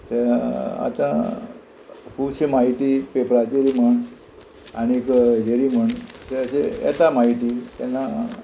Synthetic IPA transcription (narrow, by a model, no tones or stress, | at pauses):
t̪ea̰t̪ã̰ | puɕemaɦit̪ipepɾat͡ɕeɾim̤əɳ | añikd͡ʑeɾim̤əɳseəɕḛɛ̰t̪amaɦit̪it̪ɛnːa